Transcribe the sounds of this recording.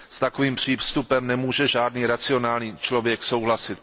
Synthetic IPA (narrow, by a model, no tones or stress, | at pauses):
st̪akoviːmpr̝̥iːfst̪upɛmnɛmuːʒɛʒaːdniːɾat͡sɪo̞naːlɲiːt͡ʃlo̞vjɛkso̞wɦlasɪt̪̚